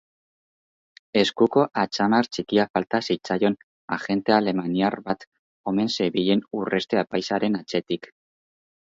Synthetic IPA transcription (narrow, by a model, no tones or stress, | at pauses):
e̞skuko̞ʔat͡ʃamaɾt͡ʃikiafalt̪asit͡sajo̞n | axe̞nt̪e̞ale̞maniarβat̪ | o̞me̞nseβiʎe̞nure̞st̪e̞apajsaɾe̞nat͡ʃe̞t̪ik